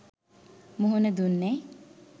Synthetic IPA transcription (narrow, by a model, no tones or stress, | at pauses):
muɦuned̪unːe